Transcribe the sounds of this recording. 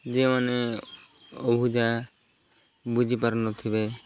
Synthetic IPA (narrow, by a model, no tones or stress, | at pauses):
d͡ʒemane | obʱid͡ʒa | bud͡ʒʱipaɾnɔt̪ʰibe